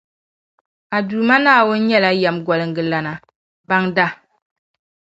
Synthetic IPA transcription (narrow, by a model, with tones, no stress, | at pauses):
a˨duː˨ma˦naː˦˨wʊ˦n˦ɲɛ˦la˦jɛ˨mɡɔ˨lɨ˨ŋɡɨ˨la˨na˨ | ba˦ŋda˦